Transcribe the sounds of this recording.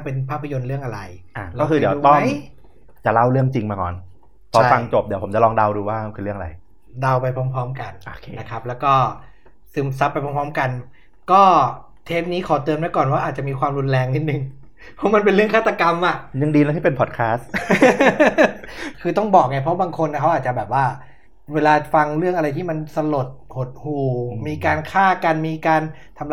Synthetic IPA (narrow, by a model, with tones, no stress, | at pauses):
pe˧npʰaː˥˩pʰːa˧jo˧nɾɯ˥˩əŋʔa˧ɾa˧jʔaː˧˩klaɔː˥˩kʰɯː˧di˩˦uː˧t̪ɔ˥˩a˦˥j | t͡ɕa˨˩ʔla˥˩wɾɯ˥˩əŋt͡ɕi˧ŋmaː˧kɔ̰ː˨˩n | p̪ʰɔ˨˦˥fa˧ŋt͡ɕo˨˩p̚di˩˦pʰo˩˦mt͡ɕa˨˩lɔː˧ŋda˧wduː˧waː˥˩a˥˩kʰɯː˧ɾɯ˥˩əŋa˨˧a̰˧j | da˧wpa˧jpʰɔː˦˥mpʰɔː˦˥mka˧nʔo˨kʰːna˦˥kʰa˦˥p̚lɛː˦˥wkɔː˥˩ | sɯː˨˩˦msa˦˥pa˧jpʰɔː˦˥mpʰɔː˦˥mka˧n | kɔː˥˩ | t̪ʰeː˦˥p̚niː˦˥kʰɔː˨˩˦t̪ɯː˧əmna˦˥kɔː˨˩nwaː˥˩ʔaː˨˩t͡ɕa˨ʔmiː˧kwaː˧mɾu˧nlɛː˧ŋni˦˥˩t̪̚nɯ˨˩ŋ | pʰɔ˦˥ma˧np̬e˧nɾɯ˥˩əkʰaː˥˩t̪ːa˧ka˧mʔa˨˩ʔɲɯ˧ŋdiː˧lɛ˦˥t̪ʰiː˥˩pe˧npʰɔː˨˩t̪̚kʰaː˦˥s | kʰɯː˧t̪ɔ˥˩ŋbɔː˨˩k̚ŋa˧˥˩pʰɔ˦˥baː˧ŋkʰo˧nːa˧˩kʰa˦˥waː˨˩t̪̚t͡ɕa˨˩bɛː˨˩p̚waː˥˩ | weː˧laː˧fa˧ŋɾɯ˥˩əŋʔa˧ɾa˧jt̪ʰiː˥˩ma˧nsa˧lo˨˩t̪̚ho˨˩t̪̚huː˨˩miː˧kaː˧nkʰaː˥˩ka˧nmiː˧kaː˧n | t̪ʰa˧m